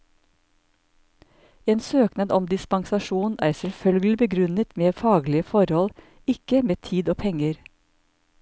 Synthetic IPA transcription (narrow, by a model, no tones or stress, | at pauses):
eːnsøːknɑd̪ɔmd̪ɪspɑŋsɑʃuːnæ̰ːɾsɛlfœlɡl̩ɪbəɡɾʉnət̪meːfɑːɡlɪəfɔɾhɔl | ɪkəmeːt̪ʰiːd̪oːpʰɛŋəɾ